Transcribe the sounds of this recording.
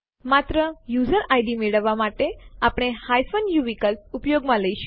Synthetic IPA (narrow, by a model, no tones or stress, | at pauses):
mat̪ɾəjud͡zəɾajɖimeɭəʋamaʈeapɽ̃ehajfənjuʋikəlpupjoɡmaləjɕ